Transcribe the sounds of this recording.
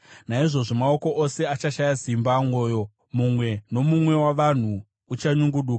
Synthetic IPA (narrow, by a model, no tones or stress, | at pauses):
naiʐo̞ʐo̞mao̞ko̞ʔose̞at͡ʃaʃajazimbaŋo̞ːjo̞ | mumwe̞no̞mumwe̞waʋan̤uː | t͡ʃaɲuŋɡuɗuːka